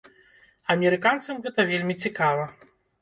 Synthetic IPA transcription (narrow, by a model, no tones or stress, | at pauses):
ɐmʲɛɾɨkant̪sɐmɣɛt̪ɐvʲelʲmʲit͡sʲikavɐ